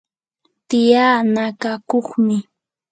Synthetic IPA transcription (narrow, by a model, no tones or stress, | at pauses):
t̪ɪjaːnakakoχmɪ